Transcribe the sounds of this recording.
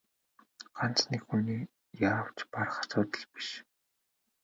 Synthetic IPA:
ɢ̥an̥t͡snekxuːniː | jaːw̥t͡ɕpar̆χḁsʊːt̪ə̆ɮpi̥ʃ

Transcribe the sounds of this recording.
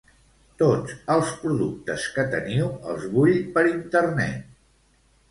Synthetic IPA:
t̪ot͡səlˠspɾuðuk̚t̪əskət̪ə̰niwə̰lˠzβuʎpəɾint̪ərnɛ̰t̪̚

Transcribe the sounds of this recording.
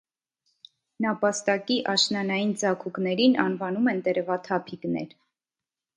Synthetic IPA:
nɑpɑst̪ɑkiʔɑʃnɑnɑjind͡zɑkʰuknɛɾinʔɑnvɑnumɛnt̪ɛɾɛvɑt̪ʰɑpʰiknɛ̰ɾ

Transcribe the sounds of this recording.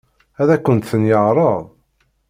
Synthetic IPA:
æðækʷːənt̪θənjəʁɾˤəðˤ

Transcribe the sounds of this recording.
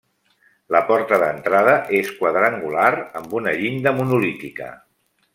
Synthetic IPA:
ləpɔɾt̪əðənt̪ɾað̞əʔeskwəðɾaŋɡulaɾəmbunəʎiɲd̪əmunulit̪ikə̰

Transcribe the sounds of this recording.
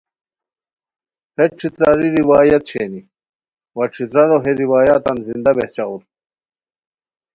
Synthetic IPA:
heʈ͡ʂʰit̪ɾaɾiɾiwaːjɐt̪ɕʰeni | wɐʈ͡ʂʰit̪ɾɐɾoɦeɾiwaːjaːt̪ɐnzind̪ɐbeht͡ɕauɾ

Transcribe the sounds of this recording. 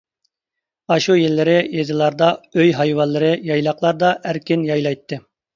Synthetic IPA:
ɑʃujelːɪɾɪjezɨlˠɑɾd̪ɑøjɦɑjwɑnlˠːɨɾɪjɑjlˠɑqlˠɑɾd̪ɑʔæɾkʲɪnjɑjlˠɑjt̪ʰːɨ

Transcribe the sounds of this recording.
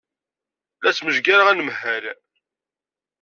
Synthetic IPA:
læt͡sːməʒɡaɾaʁænəmhæɾ

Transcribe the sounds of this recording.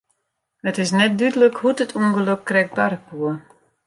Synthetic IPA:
hətɪsnɛt̚dydələkhutətʰuənɡələkːrɛk̚barkuə

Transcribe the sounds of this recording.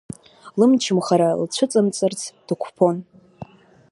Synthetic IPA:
lɨmt͡ʃʰɪmχaɾalt͡ɕʷʰʊt͡sʼɨmt͡sʼɨrt͡sʰd̥ɨkʷʰpʰo̞n

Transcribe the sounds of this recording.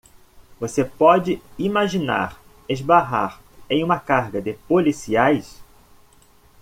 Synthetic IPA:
vosepɔd͡ʒɪimaʒina̰ɾ | ezbaɦa̰ɾẽj̃ũmɐkaɾɡɐd̪ɪpolisiajs

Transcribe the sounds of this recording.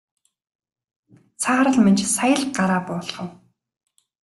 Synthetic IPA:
t͡sʰaːɾə̆ɮmant͡ɕsajə̆ɮɢaɾaːpʊːɮʁə̆w

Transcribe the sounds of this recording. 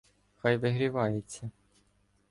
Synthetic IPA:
xɑjʋɪɦɾʲiʋɑjet͡sʲːɐ

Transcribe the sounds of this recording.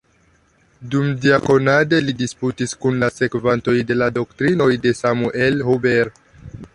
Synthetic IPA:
dumdiako̞nade̞lidisputiskunlase̞kvanto̞jde̞lado̞ktɾino̞jde̞samuʔe̞lhubeɾ

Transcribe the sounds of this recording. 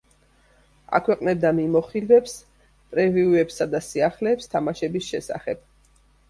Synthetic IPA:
a̰kʰwɛqʼnɛb̚d̪amimɔχilvɛps | pʼɾɛviuɛpsad̪asiaχlɛːpst̪ʰamaʃɛbisʃɛsa̰χɛb̥

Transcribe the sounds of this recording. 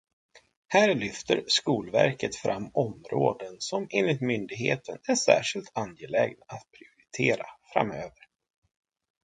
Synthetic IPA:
hæːɾɭʏft̪əɾskuːlvæɾkət̪fɾʔamːɔmɾoːd̪ənsɔmenlɪt̪mʏnd̪ɪɡheːt̪ʰənæʂæ̰ːʂɪlt̪ʰanjɛlɛːɡnat̪̚pʰɾɪʊɾɪt̪ʰeːɾafɾa̰møːvəɾ

